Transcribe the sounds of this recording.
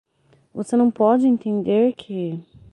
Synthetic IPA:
vosenɐ̃w̃pɔd͡ʒɪẽnt̪ẽnd̪eɾkʰɪ

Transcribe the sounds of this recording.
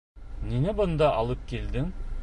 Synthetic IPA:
nenɪbʊ̆nd̪ɑʔɑlˠəp̚kʲʰeld̪ɪŋ

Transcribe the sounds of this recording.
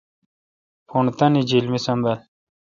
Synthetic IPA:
pʰuɳt̪ɐnid͡ʑilmisɐmbel

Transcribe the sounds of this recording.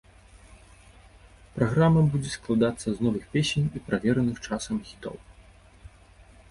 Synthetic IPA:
pɾaɣɾamːɐbud͡zʲɛsklˠad̪at̪sːɐznɔvɨxpʲesʲenʲipɾavʲɛɾɐnɨxt͡ʂasɐmxʲit̪ɔ̰w

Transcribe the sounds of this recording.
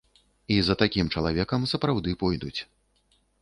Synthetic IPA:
izɐt̪akʲimt͡ʂɐlˠavʲɛkɐmsɐpɾawd̪ɨpɔjd̪ut͡sʲ

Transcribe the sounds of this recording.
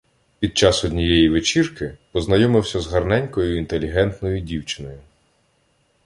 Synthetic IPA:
pʲid̪̚t͡ʃɑsɔd̪ʲnʲijɛjiʋɪt͡ʃirkɪpɔznɐjɔmɪwsʲɐzɦɐrnɛnʲkɔjʊint̪elʲiɦɛnt̪nɔjʊdʲiwt͡ʃɪ̥nɔjʊ

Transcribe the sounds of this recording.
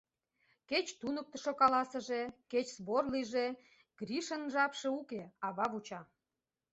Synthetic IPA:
ket͡ɕt̪unək̚t̪ə̆ʃokɑlɑsə̆ʒe̽ket͡ɕzβorliʒe | ɡ̥ɾʲiʃənʒɑpʃeukeɑβɑβut͡ɕɑ

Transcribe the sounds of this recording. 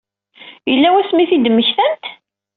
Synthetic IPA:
jəlːæwæsmiθid̪mːəçθənt̪

